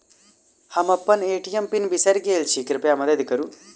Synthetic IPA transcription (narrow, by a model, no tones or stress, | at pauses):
hɐmɐpːɐneːʈijɐmpinbisɐɾɡeːlt͡ʃʰikɾipjɐmɐd̪ɐd̪ikɐɾu